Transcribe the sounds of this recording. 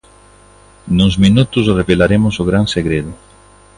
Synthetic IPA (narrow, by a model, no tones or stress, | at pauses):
nuzminut̪ʊs̬reβelaɾemʊsoɣɾanseɣɾeðʊ